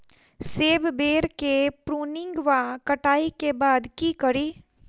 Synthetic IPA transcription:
seːbbeːɾkepɾuːnɪ̃ŋɡʋakəʈaːikebaːd̪kikəɾiː

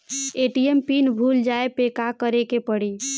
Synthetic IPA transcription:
eʈiempinbʱuld͡ʒaepekakəɾekepəɽi

